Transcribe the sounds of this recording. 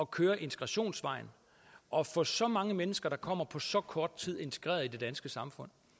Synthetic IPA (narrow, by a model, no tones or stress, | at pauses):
ɒ̽kʰøːɐʔe̝nt͡sʰe̥ɡ̥ʁɑɕo̝̰ːnsʋɑ̈ɪn | ʔɒ̽fɒ̽sɒ̽mɑ̈ŋəmenəsɡ̥ɐɾ̥ɑ̈kʰɒ̽m̰ɐpʰɒ̽sɒ̽kʰɒːd̥̚t͡sʰið̞̰ˠe̝nt͡sʰe̥ɡ̥ʁɛ̰ːɐðˠid̥e̝d̥ænsɡ̥əsɑ̈mfɔ̽n̰